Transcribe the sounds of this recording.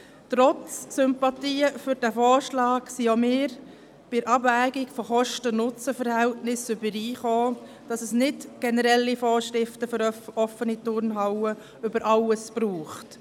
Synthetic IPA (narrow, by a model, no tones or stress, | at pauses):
tɾɔt͡ssʏmpɑtiːəfʏɾdæfɔːɾʃlɑːksiomɪːɾ | b̥ɪɾʔɑbvæːɡikfɔχɔʃtənʊt͡səfəɾhɛltnɪsʏbəɾiːχoː | d̥ɑsəsnɪtɡ̥ɛnəɾɛlːifɔːɾʃɾɪftəføɾɔfːənitʊɾnɦɑwə | ʏbəɾʔɑləsb̥ɾuːχt